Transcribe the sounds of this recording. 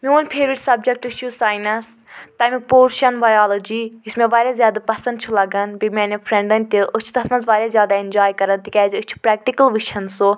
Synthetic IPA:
mʲioːnʲpʰeːɾʋiʈʲsɐb̚d͡ʒɐk̚ʈɨt͡ʃʰusaːjnɐst̪ɐmik̚poːɾʃɐnbaːjaːlod͡ʒijismẽʋaːɾʲjaːzʲjaːd̪apɐsɐ̃nd̪̚t͡ʃʰulɐɡɐnbimʲɛːnʲipʰɾẽɳɖɐnʲt̪iʔut͡ʃʰu̥t̪ɐsmɐnzʋaːɾʲjaːzjaːd̪aind͡ʒaːjkɐɾɐnt̪ikʲɛːzɨt͡ʃʰu̥pɾɛːk̚ʈikɐlʋɨʃʰɐnso

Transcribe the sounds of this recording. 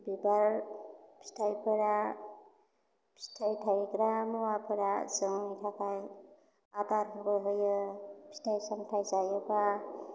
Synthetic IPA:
bibaɾpʰi̥tʰajpʰɯɾa | pʰi̥tʰajtʰajkɾamuwapʰɯɾasɯŋitʰakʰaj | adaɾmɔkɔjɦɔjɯpʰi̥tʰajsamtʰajzajɯba

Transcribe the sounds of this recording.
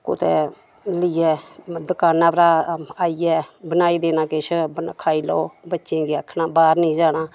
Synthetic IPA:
kʊt̪ɛ̰ː | lɪɛːd̪ʊkaːnãːpɾaːaːiːɛːbənaːiːd̪eːnaːkɪʃʰbənkʰaːiːloːbətːʃẽːɡiəkʰːnaːbaːɾnĩːd͡ʒaːɽaː

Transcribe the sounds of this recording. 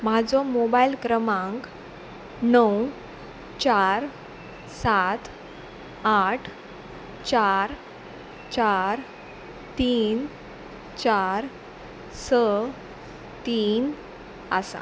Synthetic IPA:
mad͡zɔmobailkɾəmãŋk | nəw | t͡ɕaɾ | sat̪ʰ | aʈʰ | t͡ɕaɾ | t͡ɕaɾ | t̪iːn | t͡ɕaɾ | sə | t̪iːn | asa̰

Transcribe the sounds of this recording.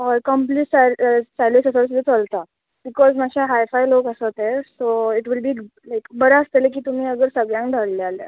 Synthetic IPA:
ɦɔjkəmpliʈsaɾsaɾlisəsəɾs̬ud̪ʱːet͡səlt̪a | b̥ikɔzmaɕʰaɦajfajlokəsət̪ɛɾsoiʈʋilbʱiːlajkbəɾaəst̪elekiːt̪um̤iːəɡəɾsəɡɭjãŋkɖʱəɽleala̰

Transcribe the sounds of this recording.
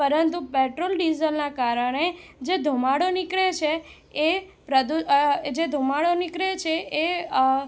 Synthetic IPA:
pəɾənt̪upeʈɾolɖizəlnakaɾəɽ̃ed͡ʒed̪ʱumaɽonɪkɭet͡ʃʰe | epɾəd̪ud͡ʒed̪ʱumaɽonɪkɾet͡ʃʰeʔe

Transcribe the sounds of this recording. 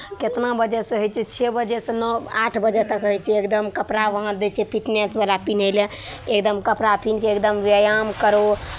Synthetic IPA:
ket̪nabəd͡ʒɛsə̃ɦojt͡ʃʰɛt͡ʃʰɛbəd͡ʒɛsẽnɔaʈʰbəd͡ʒɛt̪əkɦojt͡ʃʰɛekd̪əmkəpɾaʋəɦə̃d̪et͡ʃʰɛpʰiʈnesbəlapinelɛ | ekd̪əmkəpɾapʰinkeekd̪əmʋəjamkəɾo

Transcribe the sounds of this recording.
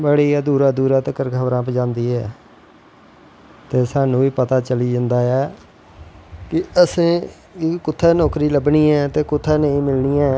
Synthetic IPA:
bəɽiːɛːd̪uːɾaːd̪uːɾaːt̪əkəɾkʰəbɾãːpəd͡ʒãːnd̪iːɛː | t̪eːsaːnũːiːpət̪aːt͡ʃəliːd͡ʒənd̪aːɛː | kɪəsẽː | ikʊt̪ʰːaːnɔːkɾiːləbniːɛːt̪eːkʊt̪ʰːaːneĩːmɪlniːɛː

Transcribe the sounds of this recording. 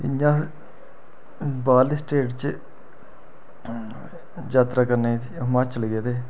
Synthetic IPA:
ɪ̰ɲãː | baːlisʈeːʈt͡ʃ | d͡ʒaːt̪ɾaːkəɾneːimaːt͡ʃəlɡeːd̪eː

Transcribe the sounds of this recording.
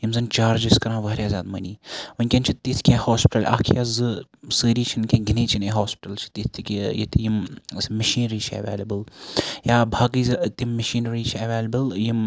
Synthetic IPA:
jimzɨnt͡ʃaːɾd͡ʒiskɐɾãːʋaːɾʲjaːzʲaːd̪mɐnʲiːɐnʲkʲɐnt͡ʃʰit̪ːit̪ʰkʰʲẽːhoːspʲɪʈɐlʔa̰ːkʰjazɨsɨːɾiːt͡ʃʰinkʲʰẽːɡineːt͡ʃʰineɦoːspiʈɐlt͡ʃʰi̥t̪it̪t̪ikʲijḭt̪ijimsmɐʃiːnɾiːt͡ʃʰɐ̰ʋḛːlɐbɨljaːbʱaːɡizɐt̪imːɐʃiːnɾiːt͡ʃʰɐʋeːlɐbɐljim

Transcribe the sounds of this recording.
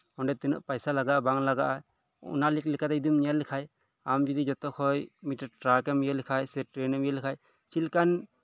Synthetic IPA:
ɔɳɖɛt̪inɔ̰ʔpajsalaɡaʔabaŋlaɡaʔa | ṵnalik̚lɛkat̪ɛid̪umɲialikʰaj | amd͡ʒɔd̪id͡ʒɔt̪ɔkʰɔjmiʈaɾʈɾakɛmijalikʰajsɛʈɾɛnɔmijɛlkʰaj | t͡ʃʰilkan

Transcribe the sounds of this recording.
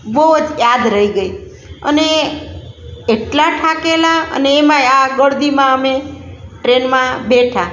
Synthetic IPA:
bəɦud͡ʒjad̪ɾəiɡəi | ə̰ne | ʈlaʈʰakelaə̰neːmãeaɡəɽd̪imãəmeʈɾenmãbeʈʰa

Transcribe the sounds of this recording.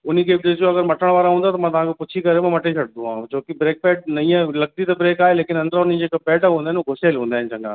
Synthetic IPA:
ʊn̤ikʰeːd͡ʑeoɐɡəɾmɐʈʰəɽ̃ʋaːɾaɦũːnd̪at̪ɐmãt̪ɐʋ̤ãːkʰepʊt͡ɕʰikɐɾemãmɐʈʰet͡ɕʰɐɽd̪d̪ũɦã̰ːũt͡ɕoːkibɾeːk̚pɛːʈ̚nɐĩːə̃lɐɡ̚t̪it̪ɐbɾeːkaːɦeleːkɪnɐ̃nd̪əɾaʊnid͡ʑeːkapɛːʈaɦũːnaɦɪnoɡʱʊseːlɦũːnd̪aːɦɪnɪt͡ɕɐ̃ŋɡa̰ː

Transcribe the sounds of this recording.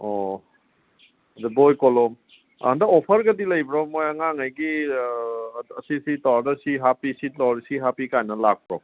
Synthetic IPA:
ɔ | dubojkɔlɔm̰ | ndɐɔpʰɐɾɡɐdilɐjbɾɔmojaŋaŋajɡi | ɐsisitɔdɐsiɦapisitɔɾsiɦapikajnɐlak̚pɾɔm

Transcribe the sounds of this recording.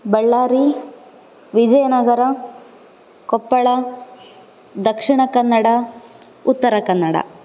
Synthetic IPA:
bɐɭːaːɾi | ʋid͡ʒɐjɐnɐɡɐɾɐ | kopːɐɭɐ | d̪ɐkʂiɳɐkɐnːɐɽɐ | ut̪ːɐɾɐkɐnːɐɽɐ̰

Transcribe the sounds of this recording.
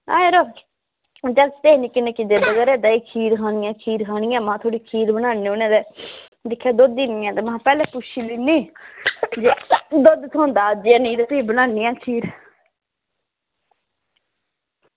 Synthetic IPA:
a̰ːeɾoː | d͡ʒət̪eːniːkɪneːkɪd̪eːbəɡɛːɾɛːd̪aːiːkʰiːɾkʰaːnɪjãːkʰiːɾkʰaːñɪjãːmãːt̪ʰoːɽiːkʰiːɾbənaːneːoːnẽːd̪eː | d̪ɪkʰːaːd̪od̪iːniːjãːt̪eːmããːpɛːlɛ̃ːpʊt͡ʃʰːiːliːniː | d͡ʒed̪od̪t̪ʰoːnd̪aːd͡ʒãːnĩːd̪aːt̪eiːbənaːniːãːkʰiːɾ

